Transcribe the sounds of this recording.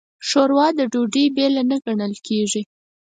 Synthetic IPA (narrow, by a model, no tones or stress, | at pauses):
ʂoɾwɑd̪əɖoɖibelanəɡaɳəlkʰeʐi